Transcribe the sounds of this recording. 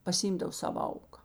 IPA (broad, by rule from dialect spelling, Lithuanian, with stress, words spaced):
pɐsʲɪˈiːmˌdɐw ˈsɑːʋɐ ˈɐʊkɐ